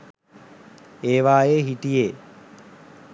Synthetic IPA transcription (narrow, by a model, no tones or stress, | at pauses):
eːʋaːjeːɦiʈijeː